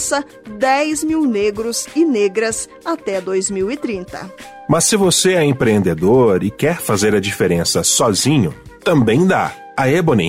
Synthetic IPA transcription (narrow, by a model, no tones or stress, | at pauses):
sɐ | d̪ɛjzmiwneɡɾʊzɪneɡɾɐz | at̪ɛd̪ojzmiwɪt̪ɾĩnt̪ɐ̰ | mɐsːɪvoseɛẽpɾeẽnd̪ed̪oɾɪkɛɾfazeɾɐd͡ʒifeɾẽsɐsɔzĩɲʊ | t̪ɐ̃mbẽj̃d̪a̰ | ɐebonḭ̃